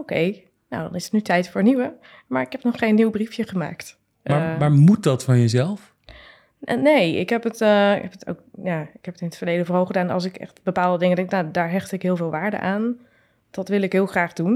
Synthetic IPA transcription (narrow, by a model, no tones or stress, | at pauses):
owkʰḛj | no̰wdɔ̰nɪsətnytʰɛjtfʊːɹniʋə | maɹɪkhɛpnɔχːeːnːiwbrifjəχəma̰ːkt | maʋaːɹmut̚dɔtfɔnjəzɛlˠf | nejɪ̰kɦɛpətɦɛpətʰo̰wkjaɪkhɛpətɪnətfəɹlejdəfoːɹɦoːlχədaːnɑ̰lˠs̬ɪkɛ̰xtbəpaːlˠdədɪŋəndɛŋknadaːɹɦɛxtɪkɦɪːlˠvɪːlˠʋaːɹdə̰ʔaːn | d̥ɔtʋɪlˠɪkɦɪːəlˠxraːχdun